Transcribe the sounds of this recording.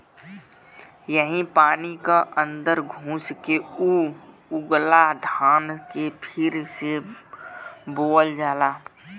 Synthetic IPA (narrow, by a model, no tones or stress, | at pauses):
jəɦĩpaːnikaʔə̃nd̪əɾɡʱũːskeu | ʊɡlad̪ʱaːnkepʰɪɾse | boːəld͡ʒaːlaː